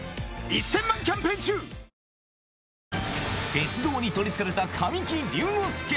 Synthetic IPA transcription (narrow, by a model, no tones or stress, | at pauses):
isːẽ̞mːãŋkʲãmpẽːɲt͡ɕɨː | ɡ̥et͡sɨd̪o̞ːɲ̟it̪o̞ɾʲisɨ̥saɾe̞t̪akʰamʲĩŋkʲĩɾʲɨːnoːsɨ̥ke